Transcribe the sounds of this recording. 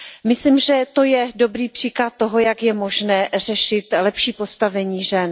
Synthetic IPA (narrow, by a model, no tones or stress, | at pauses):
mɪslimʒɛt̪o̞jɛdo̞bɾiːpr̥iːklat̪̚ːoɦo̞jakjɛmoʒnɛːr̝ɛʃɪt̪lɛpʃiːpo̞st̪avɛɲiːʒɛn